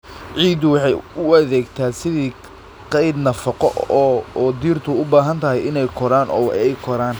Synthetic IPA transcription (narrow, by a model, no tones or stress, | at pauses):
ʕiːd̪ʊwɑħɑjʊɐðɛːɡt̪ʰaːsɪðiː | qɛjd̪nɐfɑqɔʔɔːd̪iːrt̪ʰʊʊbaːɦɐnt̪ʰɐɦɛjɪnɛjkʰɔɾaːnʔɔ̰ːwɛjkʰɔɾaːn